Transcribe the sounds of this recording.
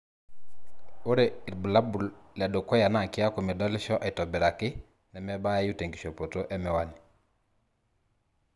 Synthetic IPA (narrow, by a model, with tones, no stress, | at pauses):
o˦ɾe˨ɾbu˨la˦bu˨lla˨do˨kɔ˦ja˨na˨kɪ˦a˦ko˨mɛ˨dɔ˦lɪ˦ʃɔ˦ʔɛ˨tɔ˨bɛ˨ɾa˨kɪ˦ | nɛ˨mɛ˦ba˦ɛ˦ju˦te˨ŋɡi˨ʃo˨po˨to˦ʔɛ˦mɛ˨wa˦ni˨